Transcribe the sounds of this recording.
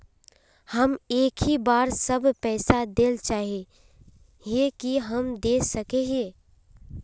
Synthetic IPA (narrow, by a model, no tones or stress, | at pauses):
həmeːkʰɦibaːɾsəbpɛːsad̪eːlt͡ʃaːɦe | ɦekiɦəmd̪eːsəkeɦẽː